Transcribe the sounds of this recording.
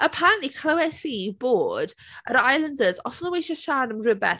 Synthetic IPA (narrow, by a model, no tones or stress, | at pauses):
əpʰanikʰlawɛsiboːd | ə̰ɾajlˠəndəzɔsnəwejʃəʃaːnəmrəbɛ̰θ